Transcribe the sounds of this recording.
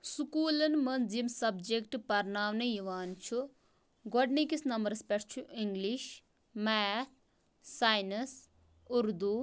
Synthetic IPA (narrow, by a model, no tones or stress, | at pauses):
sukuːlɐnmɐnzimsɐbd͡ʒekʈpɐɾnaːwnɐjiʋaːnt͡ʃʰu | ɡɔɖnikisnɐmbɐɾspʲeʈʰt͡ʃʰuʔiŋɡliʃ | mɛt̪̚ʰ | saːjnɐs | uɾd̪u